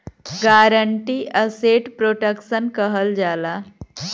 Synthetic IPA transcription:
ɡaɾəɳʈiʔəseʈpɾoʈəkʃənkəɦəld͡ʒala

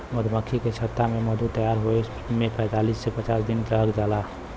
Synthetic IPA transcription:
məd̪ʱməkʰiket͡ʃʰət̪ːameməd̪ʱut̪əjaɾɦoe | mepɛ̃ɪt̪alisːepət͡ʃaːsd̪ɪntəəkd͡ʒaːla

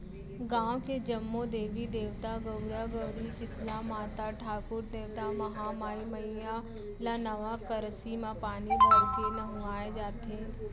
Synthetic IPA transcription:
ɡãːwked͡ʒɐmːod̪eːʋid̪eːʋt̪aɡəʊɾaɡəɽisɪt̪lamaːt̪aʈʰaːkʊɾd̪eːʋt̪amɐɦamaːjmɐija | lanɐʋakəɾsimãpaːnibʱɐɾkenɐɦũaːed͡ʒaːt̪eː

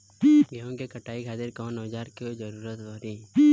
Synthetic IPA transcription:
ɡɛõkekɐʈaːikʰaːt̪ɪɾkɔːnoːd͡ʒaːɾkiod͡ʒɐɾuːɾət̪ʋɔːɾĩː

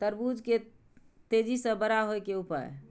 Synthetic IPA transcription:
t̪əɾbud͡ʒke | t̪ed͡ʒisə̃bəɾaɦojkeupə̰ɾ̰

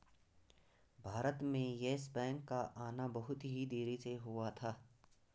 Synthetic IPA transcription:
bʱaːɾət̪mẽjeːsbɛ̃ːŋkːaʔaːnabɐɦʊt̪ɦid̪eːɾiseɦʊat̪ʰaː

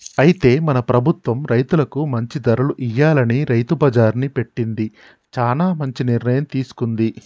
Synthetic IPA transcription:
ɐjit̪e̞ːmɐnɐpɾɐbʱut̪ʋɐmɾɐjt̪ulɐkumɐɲt͡ʃid̪ɐɾɐluʔijːaːlɐniɾɐjt̪ubɐd͡ʒaːɾnipe̞ʈːind̪i | t͡ʃaːlaːmɐɲt͡ʃiniɾnɐjɐmt̪iːsu̥kund̪i

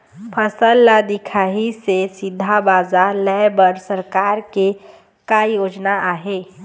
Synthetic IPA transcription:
pʰəsəlːad̪ɪkʰaːɦisesɪd̪ʱːabaːzalɛbəɾsəɾkaːɾke | kaːjoːd͡ʒnaʔaːɦeː

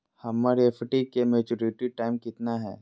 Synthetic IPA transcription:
hɐmːaːɾefʰɪʈikemeːt͡ʃuɾɪʈiʈaːɪmkɪt̪naɦɛ̰ː

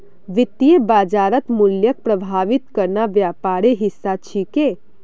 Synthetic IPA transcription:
ʋɪt̪ijebaːd͡ʒaːɾət̪mʊljək̚pɾəbʱaːʋɪt̪kəɾnaʋjaːpaːɾeɦɪsːat͡ʃʰike

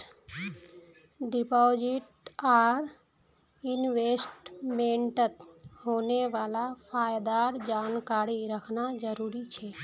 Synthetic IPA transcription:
ɖipɔd͡ʒiʈ | aɾ | inʋesʈmẽɳʈət̪ɦoneʋalapʰaːjd̪aɾd͡ʒankaɾiɾəkʰnad͡ʒəɾuɾit͡ʃʰɛ

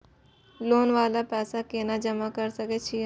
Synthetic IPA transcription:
loːnʋaːlapɛːsakeːnad͡ʒəmakəɾsəket͡ʃʰie

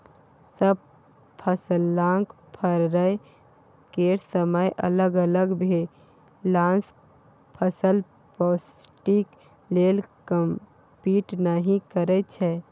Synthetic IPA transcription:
səb̚ | pʰəsəlːãŋk | pʰəɾɾəj | keɾsəməjʔə̰ləɡələɡbʱe | lãns | pʰəsəl | pɔsʈik | lelkəm | piʈnəɦĩkəɾɛt͡ʃʰɛ

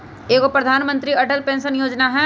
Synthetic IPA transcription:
eːkopɾəd̪ʱaːnmə̃nt̪ɾiɐʈəlpẽːnsənjoːd͡ʒnaɦɛ̃ː

